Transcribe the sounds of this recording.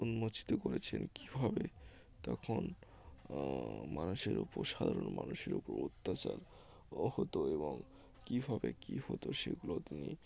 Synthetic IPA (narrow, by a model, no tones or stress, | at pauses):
unmot͡ɕʰi̥t̪okoɾet͡ɕʰenki̥bʱabe | t̪ɔkʰon | manuʃeɾupoɾʃad̪ʱaɾonmanuʃeɾupoɾut̪ːat͡ɕaɾ | hot̪oeboŋ | kibʱabekihot̪oʃeɡulot̪ini